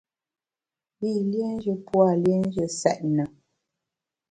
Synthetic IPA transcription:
bi˦˨lje˦n̩˦d͡ʒə˨pwa˦˨lje˦n˦d͡ʒə˨sɛ˨ʔnə˨

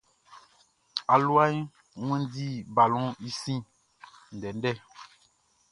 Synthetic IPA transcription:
a˨lu˦a˦i˦ | ŋwɛ̃˦n˦di˦˨ba˨lɔ̃˦i˦sĩ˦˨ | n̩˨dɛ˨n˦dɛ˦˨

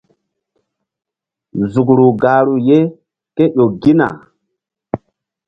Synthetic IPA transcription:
zu˨kɾu˨ɡa˨ɾu˨je˦ | ke˦ɗo˨ɡi˦na̰˨

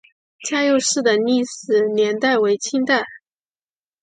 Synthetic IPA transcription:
t͡ɕja˥˧jo˥˧ʊʂɻ̩˥˩d̪ə˩ni˥˩sɹɹ̩˨˩njɛ˧˥nt̪a˥˩ɪwe˧˥ɪt͡ɕʰi˥ŋt̪a˥˩ɪ

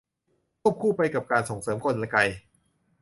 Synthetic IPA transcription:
kʰu˥˩p̚kʰuː˥˩pa˧jka˨˩p̚kaː˧nso˩˦ŋsɤː˩˦mkʰo˧nla˧˩ka˧j

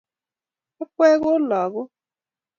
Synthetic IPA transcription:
ʊ˦kʷe˦ɣʊ˦lɔ˨ɣʊ˦

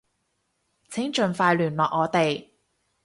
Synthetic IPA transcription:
t͡sʰɪ˨˥ŋt͡ʃɵ˨nfaː˧jlyː˨˩nlɔː˨k̚ŋɔː˨˧˥t̪e˨j

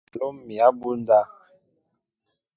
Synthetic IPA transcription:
lo˦mmi˨a˦bu˦n˦da˦

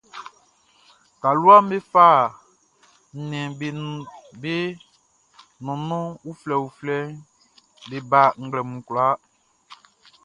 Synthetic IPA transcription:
ka˨lu˦a˦m̩˦be˦fa˦˨ | n̩˨nɛ̃˨ | be˦ | nɔ̃˨nɔ̃˦u˦flɛ˨wu˨flɛ˦ | be˨ba˨ŋ̩˦ɡ͡blɛ˨mũ˨kla˦

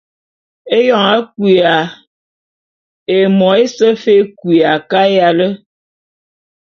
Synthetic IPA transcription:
e˦jɔ˦˨ŋa˦kwi˨a˨ | e˨mɔ˨e˦sə˦fe˦kwi˨a˨ka˦ja˨lə˦

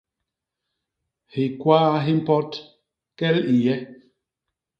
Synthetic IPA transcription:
hi˨kwaː˦ɦi˦m̩˦pɔ˦t | kɛ˦li˨jɛ˦

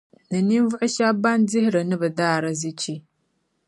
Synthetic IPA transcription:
nɨ˨ni˦n˦vʊ˦ʔʊ˦ʃa˦ba˦ndɪ˦hɪ˦ɾɨ˨nɨ˦bɨ˨daː˦˨ɾɨ˦zɨ˦t͡ʃi˦

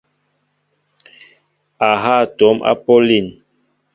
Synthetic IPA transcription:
a˨ɦa˦˨to˨˦mʔa̰˦po˦li˦˨n

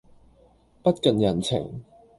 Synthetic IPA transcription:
pɐ˥t̚kɐ˨njɐ˨˩nt͡sʰɪ̰˨˩ŋ

